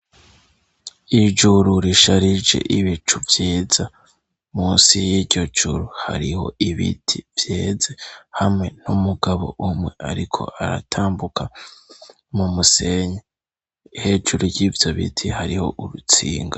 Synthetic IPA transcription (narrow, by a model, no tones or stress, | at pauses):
id͡ʒuɾuɾiʃaɾid͡ʒd͡ʒe̞̰ʔiβit͡ʃuvjiːz̥a | muːnsijiɾɟo̞d͡ʒuɾuha̰ɾiho̞̰iβḭtʰivjeːze̞hamŋe̞numuɡaβo̞ʔumŋe̞ʔaɾikʰo̞̰ʔaɾa̰tʰaːmbukʰa | mumuse̞ɲe | ihe̞ːd͡ʒuɾuɾjivjoβḭtʰihaɾiho̞̰ʔuɾut͡sḭːŋɡa